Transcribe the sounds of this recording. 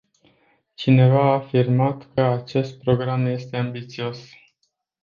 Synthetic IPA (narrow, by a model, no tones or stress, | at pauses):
t͡ʃine̞vaaːfirmat̪kəat͡ʃe̞st̪̚pɾo̞ɡɾamje̞st̪e̞ambit̪sio̞s